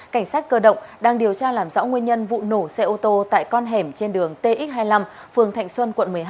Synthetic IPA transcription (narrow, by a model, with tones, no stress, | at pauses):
ka˧˩jŋ̟saː˦˥t̚kəː˧ɗə̰˧˨wŋ͡mɗaː˧ŋɗi˨˩əwt͡ɕaː˧laː˨˩mzɔ̰˧˥wŋwi˧ənɲə˧nvṵ˧˨no˧˩sɛ˧ʔo˧t̪o˧t̪a̰ː˧˨jkɔ˧nɦɛ˧˩mt͡ɕe˧nɗɨ˨˩əŋt̪e˧ʔi˦˥t̚ɦaː˧jla˧m | fɨ˨˩əŋt̪ʰa̰˨˧˨jŋ̟swə˧nkwə̰˧˨nmɨ˨˩əjɦ